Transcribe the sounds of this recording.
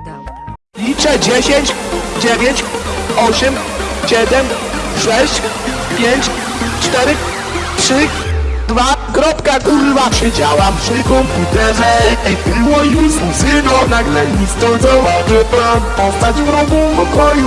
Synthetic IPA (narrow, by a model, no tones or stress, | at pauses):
lʲit͡ʂɛd͡ʑeɕeɲt͡ɕd͡ʑevʲjeɲt͡ɕɔɕɛmɕɛd̪ɛmʂɛɕt͡ɕ | pʲjeɲt͡ɕ | t͡ʂt̪ɛɾɘ | tʂɘ | d̪vakɾɔpkakuɾɪvafɕɛd͡ʑawapʂɘkɔmput̪ɛʐɛɛbiwɔiusuzɪnɔnaɡlɛɲʲist̪ɔzɔvaʐɛppɔst̪ad͡ʑɡɾɔɡɔ̃w̃pɔkɔju